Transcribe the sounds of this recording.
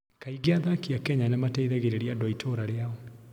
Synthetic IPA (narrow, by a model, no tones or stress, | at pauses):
kaiɣeaðakiakɛɲanamatɛiðɛɣeɾeɾiadwɔaitʰoɾaɾeaɔ